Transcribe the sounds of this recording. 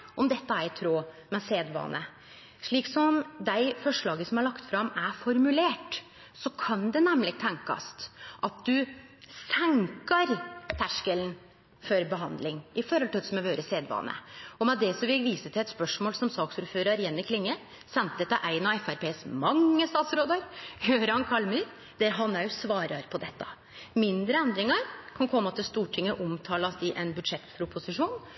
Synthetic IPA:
ʔɔmd̪ɛt̪ːəæɪt̪ʰɾoː | mɛseːd̪ʋɑ̰ːnʔə | ʂɭiːksɔmd̪æɪfɔʂɭɑːɡəsɔmhɑɾɭɑkt̪fɾɑmæfɔɾmʉleːʈ | sɔkʰɑnd̪ɛnæmlɪɡ̚t̪ʰɛŋkɑ̰st̪ʔɑt̪̚d̪ʉ | sæŋkəɾt̪ʰæʂkəln̩ | fɔɾbəɦɑnd̪lɪŋɪfɔɾhɔlt̪ʰɪld̪sɔmɛʋøːɾəseːd̪ʋɑ̰ːnə̰ɔmɛd̪ɛsɔmʋɪʋiːsət̪ʰɪlɛt̪spœʂmoːlsɔmsɑːksuːɾføːɾɑɾjɛnːɪkʰlɪŋːə | sɛnt̪d̪ɛt̪ːəʔæɪnɑɛfæɾpeːsmɑŋːəst̪ɑːt̪sɾoːd̪əɾjøːɾɑnkʰɑlmyːɾ | d̪̥ɛɾɦɑnæɾsʋɑːɾɑɾpʰɔd̪ɛt̪ːə̰ | mɪnd̪ɾəɛnd̪ɾɪŋəɾkʰɑnkʰɔmːəɑt̪ɪlst̪uːʈʰɪŋːəʔʊmt̪ʰɑːlɑsɪʔɛnbʉd̪ʂɛt̪ːpʰɾʊpʰʊsɪʂuːn

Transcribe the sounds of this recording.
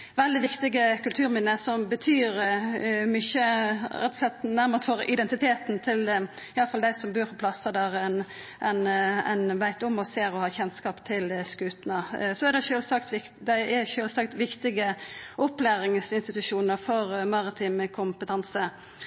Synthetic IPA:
ʋɛld̪ɪʋɪkt̪ɪɡəkʰʉlt̪ʰʉːɾmɪnəsɔmbət̪ʰyːɾ | mʏçəɾɛt̪ːɔ̥slɛt̪ːnæməʁt̪ʰfɔɾʔɪd̪ɛnt̪ɪt̪ʰeːt̪n̩t̪ʰɪl | ɪɑləfɑld̪æɪsɔmbøːɾfɑpʰlɑsəd̪æʁɛn | ʔɛnæ̰ɪnʋæɪt̪ʊmɔseːɾɔhɑːçɛnskɑːpt̪ʰɪlskʉːt̪nəsɔæɾd̪ɛʃøːlsɑkt̪ʋɪk̪d̪æɪæʃøːlsɑkt̪ʋɪkt̪ɪɡəʔɔplæːɾɪŋsɪnst̪ɪt̪ʉʂuːnəɾfɔʁmɑʁɪt̪ʰiːmkʰʊmpət̪ʰɑnsə

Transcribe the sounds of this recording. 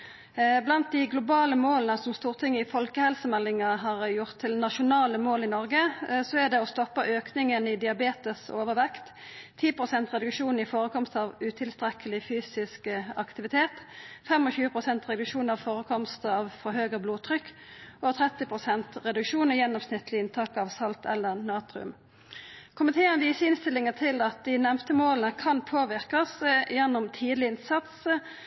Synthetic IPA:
blɑnt̪̚d̪ɪɡlʊbɑːləmoːlənəsɔmst̪uːʁt̪ʰɪŋːəɪfɔlkəhɛlsəmɛlːɪŋəɦɑːʁjʊʁt̪ʰːɪlnɑʃʊnɑːləmoːlɪnɔʁɡəsɔæd̪ɛɔst̪ɔpːəʔøːknɪŋənɪd̪ɪɑbeːt̪əsoːʋəʁʋɛkt̪ʰː | iːpʰʁʊsɛnt̪ʁɛd̪ʉkʂuːnɪfoːʁəkʰɔmst̪ɑːʋʉt̪ʰɪlst̪ɾɛkʰəlɪfyːsɪskɑkt̪ɪʋɪt̪ʰeːt̪fɛmɔçʉːəpʰʁʊsɛnt̪ʁɛd̪ʉkʂuːnɑʋfoːʁəkʰɔmst̪ɑːʋfɔɾɦøːɡəbluːt̪ʰʁʏkː | ot̪ʰʁɛt̪ɪpʰʁʊsɛnt̪ʁɛd̪ʉkʃuːnəjɛnːɔmsnɪt̪lɪɪnt̪ʰɑːkɑʋsɑlt̪ɛ̰lːəʁnɑːt̪ɾʉ̰m | kʰʊmɪt̪ʰeːənʋiːsəɪnst̪ɪlɪŋət̪ʰɪlɑt̪̚d̪ɪnɛmt̪əmoːlnəkʰɑnpʰoːʋɪʁkɑsjɛnːʊmt̪ʰiːd̪lɪɪnsɑt̪s

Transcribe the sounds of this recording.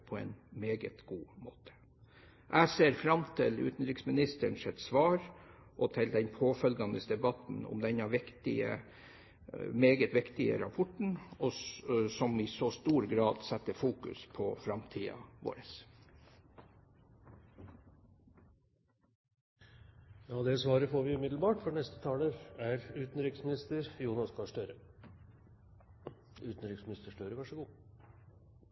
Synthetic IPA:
pʰɔɛ̰ːnmeːɡət̪ɡ̥uːmoːt̪ʰə̥ | ʔæseːɾfɾɑmt̪ʰɪlʉ̰ːt̪n̩ɾɪksmɪnɪst̪əɳʂɛt̪sʋɑːɾʔɔt̪ʰɪld̪ɛnpʰoːfœlɡɑnəsd̪ɛbɑt̪n̩ʊ̰md̪ɛɲɑʋɪkt̪ɪ̰ə̰ | meːɡət̪ʋɪkt̪ɪə̰ɾɑpʰɔʈɳ̩ɔsɔmɪsɔst̪uːɾɡɾɑːd̪sɛt̪ːəfuːkʉ̰spʰɔfɾɑmt̪ʰiːɑ̰ʋo̰ːɾəs | jɑːd̪ɛsʋɑːɾəfoːɾʋɪʉmɪd̪lbɑːʈfɔnɛst̪ə̥t̪ʰɑːləæɾʉːt̪n̩ɾɪksmɪnɪst̪əɾjuːnɑskʰɑʂʈ̪øɾə | ʉːt̪n̩ɾɪksmɪnɪst̪əʂʈœɾəʋɑʂəɡuː

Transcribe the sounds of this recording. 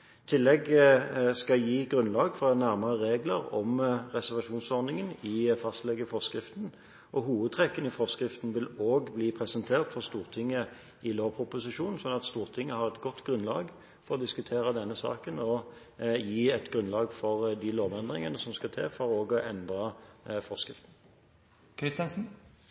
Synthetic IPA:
t̪ʰɪlːɛɡ | skɑjiːɡʁʉnlɑːɡfɔʁnæʁməʁəɾeːɡləɾɔ̰mʁɛsæʁʋɑʂuːnsɔʁnɪŋənɪfɑst̪lɛɡːəfɔʁskʁɪft̪n̩ | ʔɔɦuːʋəd̪̚t̪ʰʁɛkːənɪfɔʁskʁɪft̪n̩ʋɪloːɡbliːpʰʁɛsɛnt̪ʰeːʁt̪fɔʁst̪uːʁt̪ʰɪŋːə | ʔɪloːpʰʊpʊsɪʂuːnn̩sɔnːɑt̪st̪uːʁt̪ʰɪŋːəhɑʁɛt̪ɡɔt̪ːɡʁʉnlɑ̰ːɡ | fɔʁɔd̪ɪskʉt̪ʰeːɾəd̪ɛnːəsɑ̰ːkənɔ | jiːɛt̪ɡɾʉnlɑːɡfɔʁd̪ɪloːʋɛnd̪ʁɪŋənəsɔmskɑt̪ʰḛːfɔɾoːɡɔʔɛnd̪ʁɑfɔʁskʁɪft̪n̩ | kʰɪst̪ɛnsn̩

